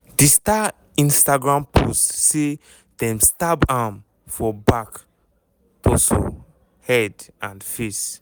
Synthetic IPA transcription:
dista | ĩnstaɡɹãmpʰostːe | dɛ̃mstabam | fɔbak | toso̰ | hɛdãnfes

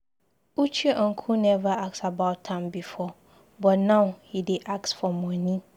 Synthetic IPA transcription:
ut͡ʃʰiʔɔ̃ŋ̩kʰũnɛvaak̚sabaʊttʰːãɪ̃mbifɔ | bɔtnãʊhidɪʔak̚sfɔmɔ̃nĩ

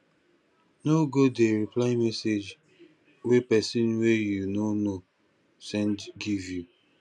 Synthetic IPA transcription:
noɡodeɹiplaɪmɛsed͡ʒ | wepɛsĩnwejunono | sɛ̃ndɡivju

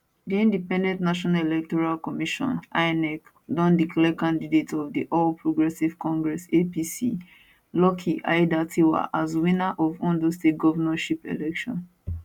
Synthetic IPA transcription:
diĩndipɛ̃ndɛ̃ntnaʃɔnalelɛk̚tɔɹalkɔmiʃɔ̰̃naɪnɛk | dɔ̃ndiklɛkãndidetʰɔvdiʔɔlpʰɹoɡɹɛsiv̥kɔ̃ŋɡɹɛsepisi | lɔkʰiʔa̰jdatʰiwa̰ʔazwĩnaʔɔvɔ̃ndostet̚ɡɔvanaʃipḛlɛkʃɔ̰̃n

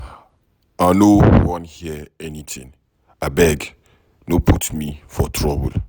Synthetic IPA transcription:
anowɔ̃nhiəɛnitʰĩŋ | abɛɡ | nopʰutmifɔtʰɹɔbə̰l

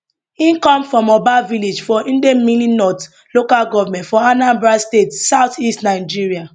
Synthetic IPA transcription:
ĩnkɔ̃mfɹɔ̃mɔbaviled͡ʒfɔĩndemininɔt | lokalɡɔvamɛ̃ntfɔanãmbɹastetsaʊtistnaɪd͡ʒiɹia

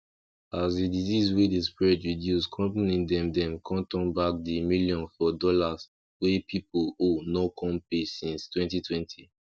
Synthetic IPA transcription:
azdidizizwedespɹɛdɹidjuskʰɔ̃mpanĩdɛ̃mdɛ̃mkʰɔ̃ntɔ̃nbak̚dimiljɔ̃nfɔdɔlas | wepʰipolonokʰɔ̃mpesĩnstwɛ̃ntitʰwɛ̃ntʰi

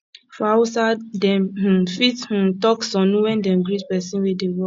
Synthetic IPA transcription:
fawsadɛ̃mh̩fith̩tɔksɔ̃nũwɛ̃ndɛ̃mɡɹitpɛsĩnwidewɔ

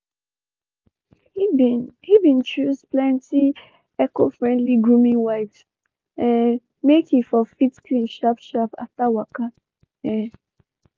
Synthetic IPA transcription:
hihibĩnt͡ʃuzplɛ̃nti | ɛkofɹɛ̃ndliɡɹũmĩŋwaɪt | ʔɛ̃n | mekĩfɔfitkʰlĩnʃapʃapa̰ftawaka | jɛ

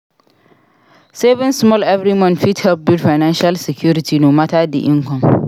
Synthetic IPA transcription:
seːbɪnsmɔlʔɛvɾimɔnɸithɛlp̚bʊdfajnanʃalsɛkʲjuːɾɪtiːnoːmataːdḭʔɪŋkɔm

